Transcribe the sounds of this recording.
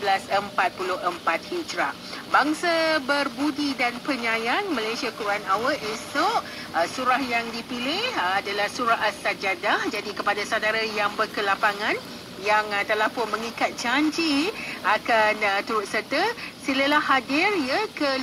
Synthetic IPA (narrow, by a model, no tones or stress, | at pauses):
blasəmpat̪̚pulʊhəmpat̪̚hid͡ʒɾaʔ | baŋsabərbudidanpəɲãjanmãlajsiakuɾuanawəesɔʔ | suɾahjaŋdipilɪhadalahsuɾaɦast̪ad͡ʒadahd͡ʒadikəpadasadaɾajaŋbərkəlapaŋãn | jaŋt̪əlahpʊnmə̃ŋikat̪̚d͡ʒaɲd͡ʒiakant̪uɾʊt̪̚sərt̪əsiləlahadɪrjəkə